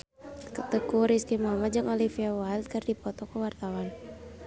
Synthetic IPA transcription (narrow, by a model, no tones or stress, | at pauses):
kət̪əkuɾiskimamad͡ʒɨŋolifiawal̚kərdipɔt̪ɔkəwart̪awan